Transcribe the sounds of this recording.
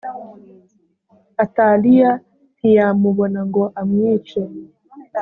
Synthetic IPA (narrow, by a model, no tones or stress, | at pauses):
atalija | n̥ijamuβo̞naŋɡo̞ʔamwiːt͡ʃe